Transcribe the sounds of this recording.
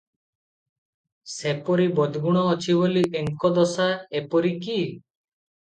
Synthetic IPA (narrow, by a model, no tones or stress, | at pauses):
sepɔɾibɔd̪ɡuɽ̃ɔːt͡ʃʰibɔlieŋkɔd̪ɔsaepɔɾiki